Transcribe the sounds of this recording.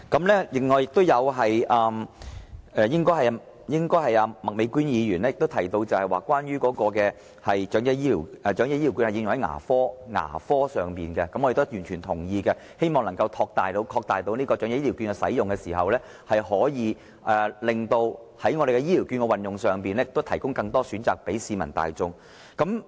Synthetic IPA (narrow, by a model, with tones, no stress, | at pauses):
kɐ˨˦˥mlɛː˥lɪ˨˩ŋːɔː˨˩jɪ˨k̚t̪o˥wjɐ˨˧wɦɐ˨jʔɐː˨m | ɛː˨˧jɪ˥ŋkɔː˥jhɐ˨j | jɪ˥ŋkɔː˥jɦɐ˨jaː˧mɐ˨k̚me˨˧jkyː˥njiː˨˧jyː˨˩nɛ˥jɪ˨k̚t̪o˥wt̪ʰɐ˨˩jt̪o˧wt͡sɐ˨whɐ˨jwaː˨˩kwaː˥nɥyː˥kɔː˨˧˥kɔː˧kɛː˧ | hɐ˨jt͡ʃœː˨˥ŋjɛ˧jiː˥liː˨˩wʔɛ˨˩t͡ʃœː˨˥ŋjɛ˥ji˥i˨˩wkyː˧nhjɪ˧ŋjʊ˨˩ŋhɐ˨˦jŋa̰ː˨˩fɔː˥ŋa̰ː˨˩fɔː˥sœː˨˩ŋpiː˨nkɛ˧kɐ˨˦mɔ˧e˨t̪o˥˩jyː˨˩nt͡ʃʰyː˨˩nt̪ʰʊ˨˩ŋjiː˧kɛ˧ | he˥jmɔː˨ŋlɐ˨˩ŋkɐ˧wt̪ʰɔː˧k̚t̪aː˨jt̪o˨˧˥wkʰɔː˧k̚t̪aː˨˩jt̪o˧˥wniː˥kɔː˧t͡ʃœː˨˥ŋjɛ˧˥jiː˥i˨˩kyː˧nkɛ˧sɐ̰˨˥jjʊ˨ŋkɛ˧siː˨˩ɦɐ˨wlɛː˥ | hɐ˨jhɔː˨˥jiː˨˧ | ʔɛː˨˩lɪ˨ŋt̪o˧w | hɐ˨˥jŋɔː˨˧ɾe˨jkɛ˧jiː˥liː˨˩wky˧nkɛ˧wɐ˨njʊ˨ŋsœː˨ŋpiː˨nɛ˥ɪ˨kt̪o˥wt̪ʰɐ˨˩jkʊ˥ŋkɐ˧ŋt̪ɔː˥syː˨˥nt͡saː˨k̚pe˨˥jsiː˧mɐ˨˩nt̪a̰ː˨jt͡sʊ˧ŋ | kɐ˨˥m